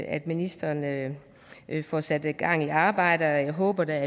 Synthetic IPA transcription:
æd̥minisd̥ɐːn | fɒsæd̥ɡ̥ɑ̈ŋ̰iɑ̈ːb̥ɑ̈ɪ̰ɾ̥əɒjɑɦɔ̽ːb̥ɐd̥ææɐ

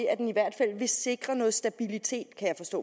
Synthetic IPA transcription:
æd̥eniʋæɐ̰d̥fæl̰ʋe̝se̝ɡ̥ʁɐnɔ̽ːð̩ˠsd̥æb̥ilit͡sʰe̝̰ːd̥kʰæjɑ̈ɪfɒ̽sd̥ɔ̰̽ː

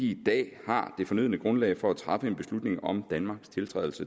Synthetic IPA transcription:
id̥ɛ̰ːhɑ̈d̥e̝fɒ̽nyð̞̰ˠnəɡ̥ʁɔ̽nlɛ̰ɪfɒ̽æt͡sʰʁɑ̈fəe̝nb̥e̝slud̥ne̝ŋɒ̽md̥ænmɑ̈ːɡ̥st͡sʰe̝lt͡sʰʁɛ̰ːðˠl̩sə

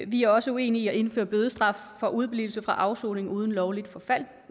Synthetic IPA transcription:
ʋiæɐɒ̽səue̝̰ːniːɒe̝nfø̰ːɐb̥øːð̞ˠəsd̥ʁɑ̈f | fɒ̽ʔuð̞ˠb̥lḭːʊl̩səfʁɑ̈ʔɑ̈ʊso̰ːne̝ŋuːð̞ˠən̩lɒʊlid̥fɒ̽fæl̰

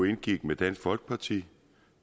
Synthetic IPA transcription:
e̝nɡ̥iɡ̥med̥ænsfɒ̽lɡ̥ə̥pʰɑ̈t͡sʰḭː

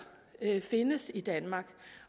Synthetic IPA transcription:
fe̝nəsid̥ænmɑ̈ːɡ̥

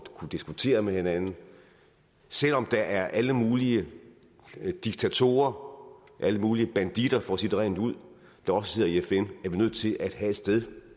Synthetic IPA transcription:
kʰud̥isɡ̥ut͡sʰe̝̰ːɐmehe̝nænn̩ | sel̰ɒ̽md̥ɑ̈ʔæɐʔæləmuːliə | d̥iɡ̥̚t͡sʰæt͡sʰo̝̰ːɐ | ʔæləmuːliəb̥ænd̥id̥ɐfɒsid̥əʁɛ̰nuð̞̰ˠ | d̥ɑ̈ɒ̽səse̝ð̰ˠɐiefenæɐʋinøð̰ˠt͡sʰe̝lʔæd̥ɦæe̝d̥sd̥eð̞ˠ

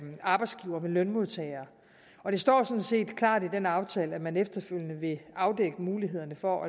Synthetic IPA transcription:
ɑ̈ːb̥ɑ̈ɪdsɡ̥iːʊɐmelœnmo̝ð̞̰ˠt͡sʰɛɪɐː | ɒ̽d̥e̝sd̥ɒ̰ːsɒ̽n̩se̝̰ːd̥kʰlɑ̰̈ːd̥id̥enɑ̈ʊt͡sʰɛːləæmænefd̥ɐføljənəʋe̝ʔɑ̈ʊd̥eɡ̥əmuːliɦe̝ð̞̰ˠɐnəfɒ̽ʔæ

